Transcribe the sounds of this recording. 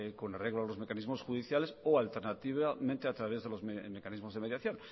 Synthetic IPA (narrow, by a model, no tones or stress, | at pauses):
konareɣloalo̞zme̞kanizmo̞sxuðiθjalesoalt̪eɾnat̪iβamẽnt̪eat̪ɾaβ̞ezðe̞lo̞zemekanizmozðemeðjaθjon